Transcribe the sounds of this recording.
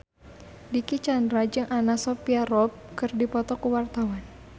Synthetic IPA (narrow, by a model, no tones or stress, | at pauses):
dikit͡ʃandɾad͡ʒɨŋʔanasɔpiaɾɔp̚kɨrdipɔt̪ɔkuwart̪awan